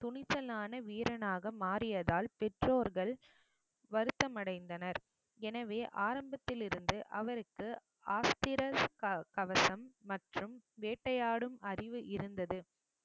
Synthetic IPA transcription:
t̪ʊɳɪt͡ʃːɐlaːnɐʋiːɾɐnaːɣɐmaːrɪjɐðaːlpɛʈroːɾɣɐɭ | ʋɐɾɯt̪ːɐmɐɽɐɪnd̪ɐnɐɾ | ɛnɐʋeːʔaːɾɐmbɐt̪ːɪlɪɾɯnd̪ɯʔɐʋɐɾɯkːɯ | aːst̪ɪɾɐkɐʋɐsɐmːɐʈrɯmʋeːʈːɐjaːɽɯmɐrɪʋɯʔɪɾɯnd̪ɐðɯ

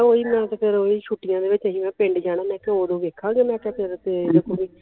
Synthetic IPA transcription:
oːiːmɛ̃ːt̪kʰɪɾoːiːʃuːʈːɪjãːd̪eːʋɪt͡ʃəɦiːmɛ̃ːpẽɳɖd͡ʒaːɽ̃ãːnɛ̃ːkɪoːd̪õːʋeːkʰãːɡeːmɛ̃ːkjaːkɛɾd̪aːt̪eːd̪eːkoːʋiː

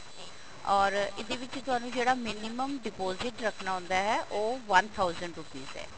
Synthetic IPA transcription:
ɔːɾɪd̪eːʋɪt͡ʃt̪ʊɦaːnũːd͡ʒeːɽaːmɪnɪməmɖɪpoːzɪʈɾəkʰnaːɦʊ̃ːnd̪aːɦɛːʔoːʋənt̪ʰaːʊzəɳɖɾʊpḭːzɦɛ̰ː

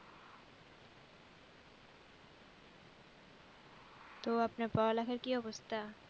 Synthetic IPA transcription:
t̪oapnapɔlakʰeɾkiɔbost̪ʰa

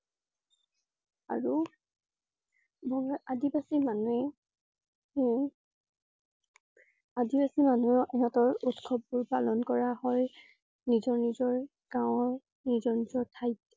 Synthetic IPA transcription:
a̰ɹu | bɔŋʔadibasimanuɛ | adibasimanuɛɦɔtɔɹutkʰɔb̚ːuɹpalɔnkɔɹahɔj | nizɔɹnizɔɹ | ɡ̥ãʊ̃ɔɹ | nizɔɹnizɔɹtʰajt̚

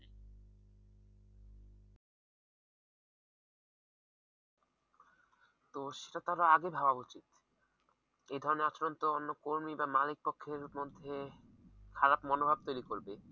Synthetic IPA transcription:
t̪oʃe̥ʈat̪aɾaaɡebʱabaut͡ɕit̪ | ed̪ʱɔɾoneat͡ɕɾont̪oonːokoɾmibamalik̚pokʰːeɾmod̪ʱːe | kʰaɾapmɔnobʱab̚t̪ojɾikoɾbe

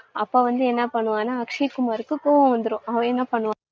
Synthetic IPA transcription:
ɐpːɐʋɐnd̪uenːɐpɐɳuʋaːnɐːkʂiːkumaːɾukːukoɐnd̪ɾuɐʋenːɐpɐɳuʋaː

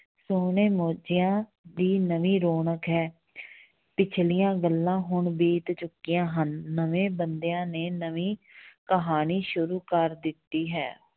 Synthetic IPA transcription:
soːneːmoːd͡ʒɪjãː | d̪iːnəʋĩːɾoːɳəkɦɛː | pɪt͡ʃʰlijãːɡəlːãːɦʊɳbeːt̪t͡ʃʊkːijãːɦənːəʋẽːbənd̪ejãːneːnəʋiːkəɦaːniːʃʊɾuːkəɾd̪ɪt̪ːiːɦɛ̰ː

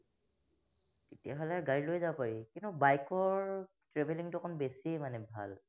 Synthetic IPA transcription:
tetiaɦolɛaɡaɹilojzawpaɹikintʊbajkɔɹ | tɹebʱeliŋtʊkʰɔnbesimanɛbʱa̰l

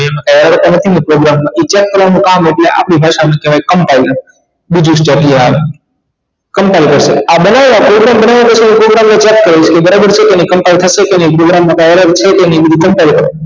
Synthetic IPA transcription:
iamẽkajaɾəɾt̪onət̪ʰinipɾoɡɾamːãʔit͡ʃat̪̚kəɾʋanũkameʈleʔa̰pɳibʱaʃamẽkeʋajkəmpailə | bid͡ʒũsʈapiaʋe | kəmpailkəɾʃḛabənaʋʋapɾoɡɾambənaʋapət͡ʃʰinipɾoɡɾamːot͡ʃɛt̪kəɾet͡ʃʰkebəɾabəɾt͡ʃʰekenikəmpait̪ʰəʃekeneipɾoɡɾamːãkajəɾəɾt͡ʃʰekenibid̪ʱukəmpajlkəɾ

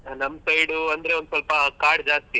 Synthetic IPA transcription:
nɐmːsɐjɽuɐnd̪ɐɾe̞ond̪sɐlpɐkaːɾɖd͡ʒaːst̪i

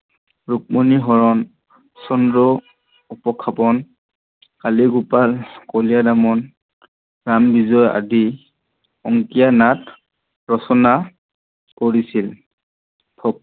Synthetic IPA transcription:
ɹuk̚moniɦɔɹɔn | sɔndɔ | upɔkʰːapɔn | kaliɡupalkɔlijadamɔn | ɹambizɔja̰di | ɔŋkijanat | ɹɔsɔna | koɹisil | pʰɔ

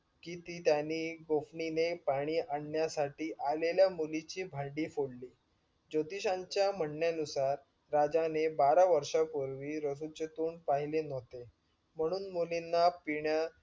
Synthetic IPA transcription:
kiːt̪iːt̪janiːɡofninepaɽ̃iːʔaɳːjasaʈiːʔaleljamulit͡ɕiːbʱãɳɖiːfoɽliː | d͡ʑot̪iɕãɲt͡ɕjam̤əɳːjanusaɾː | ad͡zanebaɾaʋəɾʂapoɾʋiːɾəsut͡ɕət̪uːɳɖpaɦilenot̪e | m̤əɽ̃uːnmulinːapiɳja

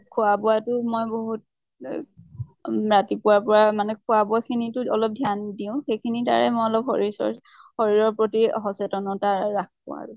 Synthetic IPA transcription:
kʰʊabʊatʊmojboɦut̚ | ɹatipʊwapɔɹamanɛkʰʊabʊakʰinitʊɔlɔp̚dʱjandiʊ̃xejkʰinita̰ɹɛmɔjɔlɔphɔ̰ɹisɔ̰ | hoɹiɹɔɹpɹotiɦɔsɛtɔnɔtaɹak̚pʊ̰a̰ɹʊ

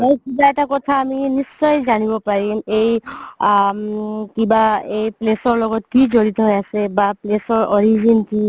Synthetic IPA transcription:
mojkibaɛtakɔtʰaːminist͡ʃɔjzanibɔpaɹiej | kibaejplesɔɹlɔɡɔtkizoɹit̪ɔɦojasebaplesɔɹɔɹizinki

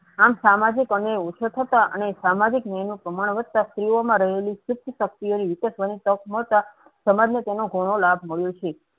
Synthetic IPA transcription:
amsamad͡ʒikəneut͡ʃʰət̪ʰət̪aʔə̰nesamad͡ʒiknəjnũpɾəmaɽ̃ʋət̪̚t̪ːast̪ɾiomãɾəɦeliʃʊk̚t̪ʰəʃək̚t̪ijoniʋɪkəʃʋanit̪əkməɭt̪a | səmad͡ʒnet̪enoɡʱoɽ̃olabʱməɭjot͡ʃʰe

